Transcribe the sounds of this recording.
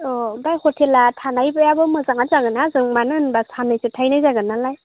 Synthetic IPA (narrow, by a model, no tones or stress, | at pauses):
ɔbajxʰɔtʰelatʰanajbɯjabɯmɯzaŋazaɡɯnazɯŋmanɯnbasanɯjsɯtʰajnajzaɡɯnalaj